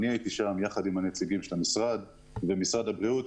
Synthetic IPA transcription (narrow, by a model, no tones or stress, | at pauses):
niajit̪iʃamjaχad̪imhanet͡siɡimʃelamisʁad̪ | vemisʁadhabʁiut̪